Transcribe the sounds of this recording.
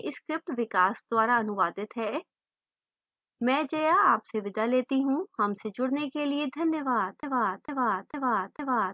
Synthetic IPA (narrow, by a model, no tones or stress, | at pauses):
ʔɪskɾɪp̚ʈʋɪkaːsd̪ʊaːɾaːənʊʋaːd̪ɪt̪ɦɛː | mɛ̃ːd͡ʒəjaːaːpseʋɪd̪aːleːt̪iɦũːhəmsed͡ʒʊɽneːkelɪeːd̪ʱənjəʋaːd̪ʋaːd̪ʋaːd̪ʋaːd̪ʋaːd̪